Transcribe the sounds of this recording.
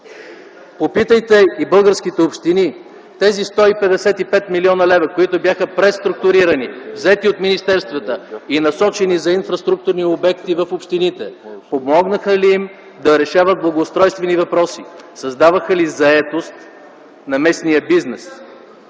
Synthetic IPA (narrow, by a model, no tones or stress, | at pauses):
popit̪əjt̪ɛibɤlˠɡəɾskit̪ɛopʃt̪ini | t̪ɛzist̪ɔipɛd̪ɛsɛt̪ipɛt̪miliɔnəlɛvɐkoit̪objaxəpɾɛst̪ɾʊk̚t̪ʊɾiɾənivzɛt̪iot̪minist̪ɛɾst̪vət̪əinɐsɔt͡ʃɛnizɐinfɾɐst̪ɾuk̚t̪ʊɾniobɛkt̪ivəfopʃt̪init̪ɛpomɔɡnəxəliim | d̪ɐɾɛʃavəd̪̚blˠɐɡoːst̪ɾɔjst̪vɛnivɐpɾɔsisɐzd̪avəxəlizɐɛt̪ost̪ | nɐmɛsnijəbiznɛs